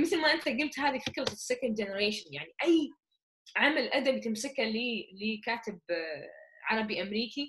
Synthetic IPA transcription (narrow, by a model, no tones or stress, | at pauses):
mɪθlmaʔɪnt̪aɡʊlt̪haːðifɪkɾaɪsːakand̪d͡ʒɪnɪɾeːʃɪnjaʕniʔajː | ʕamalʔad̪abt̪ɪmsɪkhaliːlɪkaːt̪ɪb̚ | ʕɑɾˤɑbiʔamɾiːki